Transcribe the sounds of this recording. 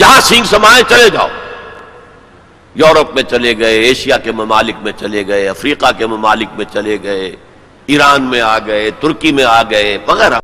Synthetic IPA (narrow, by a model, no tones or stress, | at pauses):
jɐɦãsɪ̃ŋɡsɐmaːẽt͡ʃɐled͡ʒa̰ːo | jɔːɾəpmẽt͡ʃɐleɡɐeeːʃijakemɐmaːlɪk̚mẽt͡ʃɐleɡɐeɐfɾiːqakemɐmaːlɪk̚mẽt͡ʃɐleɡɐe | iːɾaːnmẽaːɡɐet̪ʊɾkimẽaːɡɐebɐɣɛɾa